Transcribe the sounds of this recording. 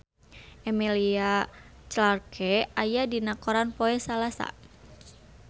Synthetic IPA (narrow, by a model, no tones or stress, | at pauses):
ʔɛmiliat͡ʃlarkʰɛajadinakoɾanpoɛsalasa̰